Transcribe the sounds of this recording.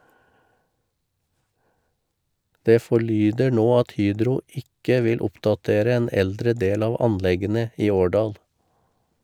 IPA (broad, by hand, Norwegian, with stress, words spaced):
ˈdeː fɔˈɭyːdə ˈɳoː ˈɑt ˈhyːdɾʊ ˈɪkə ˈʋɪl ˈʊpdɑˌteːɾə ˈeːn ˈɛldɾə ˈdeːl ˈɑːʋ ˈɑnˌlɛɡənə ˈiː ˈoːˌɖɑːl